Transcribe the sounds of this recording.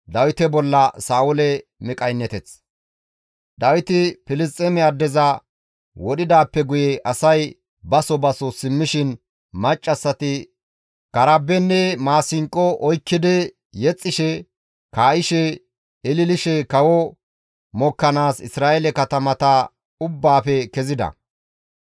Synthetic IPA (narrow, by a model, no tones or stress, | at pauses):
d̪ɐwɪt̪ɛbɔlːɐsaːʊlɛmɪkʼɐjnːɛt̪ɛt͡s | d̪ɐwɪt̪ɪpɪlɪs̬tʼɛmɛɐd̪ːɛzɐ | wɔɗɪd̪aːpːɛɡʊjɛʔɐsɐj | bɐsɔbɐsɔsɪmːɪʃɪn | mɐt͡ʃʼːɐsːɐt̪ɪ | kɐɾɐbːɛnːɛmaːsɪŋkʼːɔʔɔjkːɪd̪ɛ | jɛt͡sʼːɪʃɛ | kaːʔɪʃɛ | ɪlɪlɪʃɛkɐwɔ | mɔkːɐnaːsɪ̰sɾaːʔɛlɛkɐt̪ɐmɐt̪ɐ | ʊbːaːfɛkɛzɪd̪ɐ̰